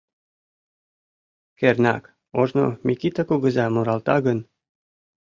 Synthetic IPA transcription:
kernɑ̰k | oʒno̰mʲikit̪akuɣə̆zɑmuɾɑlt̪ɑɣən

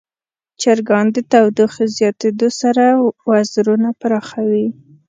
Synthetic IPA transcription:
t͡ʃaɾɡɑnd̪ət̪awd̪ixzjɑt̪ed̪osaɾawazɾunapaɾɑxawi

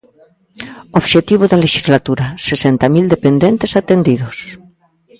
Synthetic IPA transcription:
oβʃet̪iβ̞oðaleʃizlat̪uɾasesent̪amild̪epend̪ent̪e̞sat̪end̪ið̞os

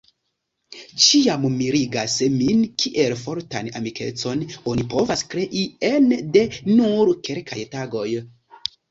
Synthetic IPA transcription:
t͡ʃiammiɾiɡasminkʰiʔe̞lfo̞ɾta̰namikʰe̞̰t͡so̞no̞nipo̞vaskɾe̞ʔiende̞nuɾke̞lkʰa̰jtaɡo̞j

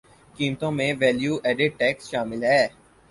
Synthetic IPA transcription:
kiːmt̪õmẽʋɛːljuːʔɛːɖɪʈ̚ʈɛːksʃaːmɪlɦɛː

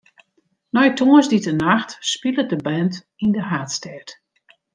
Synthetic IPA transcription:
nɔjtʰoəzditənaxtspilət̚dəbɛnt | indəɦaːtstɛt

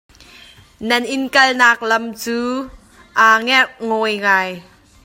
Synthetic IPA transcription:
nɐnʔɪnkɐlnaːk̚lɐmt͡suː | ʔaːŋɛʔŋɔːjŋaːj

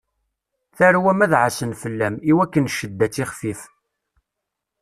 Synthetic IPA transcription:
θæɾwæmæðʕəsənfəlːæmiwækːənʃəd̪ːæt͡sːiχfif

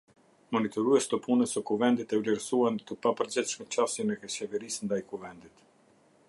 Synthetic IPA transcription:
mɔnit̪ɔɾuɛʃt̪əpʰunəsəkuvɛnd̪it̪ɛvlɛɾsuant̪əpapəɾd͡ʑɛt̪ʃmɛt͡ɕasɛnɛkɛt͡ɕɛvɛɾisnd̪ajkuvɛnd̪it̪

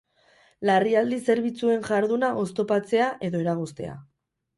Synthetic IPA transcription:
lariald̪ise̞ɾβit͡sue̞ŋʝaɾðunaʔo̞st̪o̞pat͡se̞aʔe̞ðo̞eɾaɣ̞ost̪e̞̰a̰

